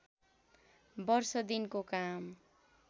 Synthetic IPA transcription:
bʌrsʌd̪inkokam

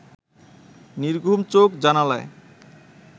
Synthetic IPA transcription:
niɾɡʱumt͡ɕokd͡ʑanalae

